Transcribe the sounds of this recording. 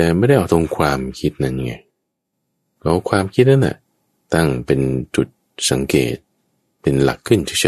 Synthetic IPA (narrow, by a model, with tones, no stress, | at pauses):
t̪ɛː˨˩ma˥˩jda˥˩jʔa˧wt̪ʰo˧ŋkʰwaː˧mkʰi˦˥t̪̚na˦˥nja˧˩ŋːa˧j | kʰa˦˥wkʰwaː˧mkʰi˦˥t̪̚na˦˥nla̰˨˩ | t̪a˥˩ŋpe˧nt͡ɕu˨˩t̪̚ | sa˨˩˦ŋkḛː˨˩t̪̚ | pe˧nla̰˨˩kʰːɯ˥˩nt̪ʰiː˥˩sʰi˧˩